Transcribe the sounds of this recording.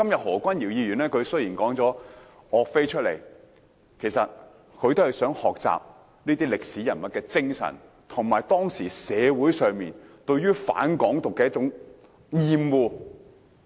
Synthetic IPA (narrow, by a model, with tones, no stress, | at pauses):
kɐ˥mjɐ˨t̚hɔː˨˩kʷɐ˥njiː˨˩wjiː˧jyː˨˩nɛː˥kʰɵ˨˧ɥsɵ˥jiː˨˩nkɔː˨˥ŋt͡sɔː˨˥ | ɔː˨˧k̚fe˥jt͡ʃʰɵ˥t̚lḛ˨˩j | kʰe˨˩jsɐ˨t̚ | kʰɵ˧ɥt̪o˥hɐ˨jsœː˨˥ŋhɔː˨k̚t͡sa̰ː˨p̚ | niː˥t̪iː˥lɪ˨k̚siː˨˥jɐ˨˩nmɐ˨t̚kɛː˧t͡sɪ˥ŋsɐ̰˨˩n | t̪ʰʊ˨˩ŋmaː˨˩jt̪ɔː˥ŋsiː˨˩sɛː˨˧wuː˨˥jsœː˨˧ŋmiː˨nt̪ɵ˧ɥyː˥fa̰ː˨˥nkɔː˨˥ŋt̪ʊ˨kːɛː˧jɐ˥t͡sʊ˨˥ŋ | jiː˧mwuː˧